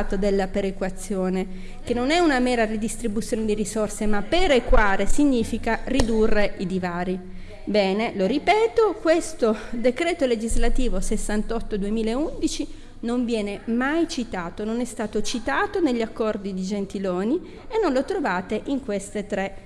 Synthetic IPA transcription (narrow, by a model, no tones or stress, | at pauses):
t̪od̪elːapeɾekwat̪sːjoːne | k̟enːonɛunamɛːɾarid̪ist̪ɾibut̪sːjoːned̪iɾisorsemapeɾekwaːɾesiɲːiːfikarid̪urːeʔid̪ivaːɾi | bɛːneloɾipɛːt̪okwest̪od̪ekɾeːt̪oled͡ʒizlat̪iːvosesːant̪ɔt̪ːod̪uemiːlaeund̪it͡ʃi | noɱvjɛːnemajt͡ʃit̪aːt̪ononɛst̪aːt̪ot͡ʃit̪aːt̪oneʎːiakːɔrd̪id̪id͡ʒent̪iloːni | enːonlot̪ɾovaːt̪eʔiŋkwest̪et̪ɾe